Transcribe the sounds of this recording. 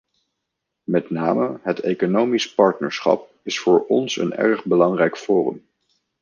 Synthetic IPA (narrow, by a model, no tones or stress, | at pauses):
mɛtna̰ːməɦətejkonowmispɑɹtnə̰ɹsχɑ̰p̚ | ɪsfʊːɹɔnsə̰nɛ̰ɹχbəlɑŋrɛjkfoːrə̰m